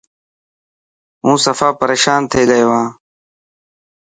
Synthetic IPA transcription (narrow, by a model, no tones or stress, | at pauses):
ũːsəfaːpəɾeːʃaːnt̪ʰeːləeːʋãː